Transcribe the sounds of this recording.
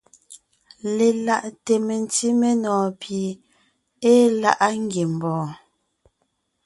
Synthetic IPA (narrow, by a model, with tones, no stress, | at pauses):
le˨la˨ʔte˨me˨n̩˦ti˦me˦nɔː˨pje˨ | e˦la˦ʔa˦ŋ˦ɡje˨m̩˨bɔ̃ː˨